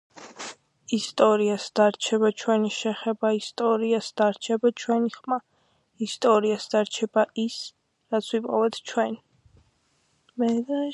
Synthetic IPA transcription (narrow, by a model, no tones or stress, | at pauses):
ist̪ʼɔɾiasd̪̥aɾt͡ʃʰɛbat͡ʃʰwɛniʃɛχɛbaist̪ʼɔɾiasd̪̥aɾt͡ʃʰɛbat͡ʃʰwɛniχma | ist̪ʼɔɾiasd̪̥aɾt͡ʃʰɛbais | ɾat̪sʰwipʼɔvɛt̪ʰt͡ʃʰwɛn | mɛ